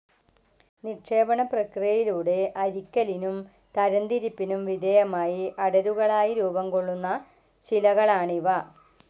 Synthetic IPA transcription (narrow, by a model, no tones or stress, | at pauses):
nikʂe̞ːbɐɳɐprɐkrijɐjiluːɽe̞ʔɐɾikʲːɐlinum | t̪ɐɾɐnd̪iɾipːinumʋid̪ʱejɐmaːjiʔɐɽɐɾuɣɐɭaːjiɾuːbɐmko̞ɭːunːɐ | t͡ɕilɐɣɐɭaːɳiʋɐ